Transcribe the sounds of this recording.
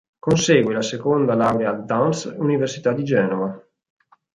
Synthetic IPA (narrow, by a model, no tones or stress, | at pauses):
konseːɡwelasekond̪alawɾead̪ansuniversit̪ad̪ːid͡ʒɛːnova